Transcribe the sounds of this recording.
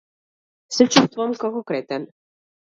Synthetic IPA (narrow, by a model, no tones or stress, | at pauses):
sɛt͡ʃust̪vɔmkakokɾɛt̪ɛn